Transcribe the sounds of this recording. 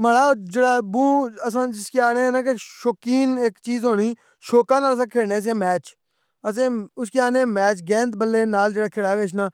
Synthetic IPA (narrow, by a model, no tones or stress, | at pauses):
məɽaːd͡ʒeːɽaːbũːəsãːd͡ʒɪskeaːneːnaːkeʃoːkiːneːkt͡ʃiːzɦoːɽiː | ʃoːkãːnaːləs̬ãːkʰeːɽneːs̬ẽːmɛːt͡ʃ | əsẽːʊskeaːnẽːmɛːt͡ʃɡɛ̃ːnt̪bəlːeːnaːld͡ʒeːɽaːkʰɪːɽaːɡeʃ̬naː